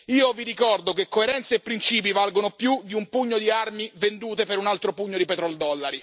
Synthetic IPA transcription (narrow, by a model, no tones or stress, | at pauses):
iːoviɾikɔrd̪okekːoeɾɛnt̪seːpːɾint͡ʃiːp̬ivalɡonopjud̪iumpuɲːod̪iarmivend̪uːt̪epeɾunalt̪ɾopuɲːod̪ipet̪ɾɔld̪ɔlːaɾi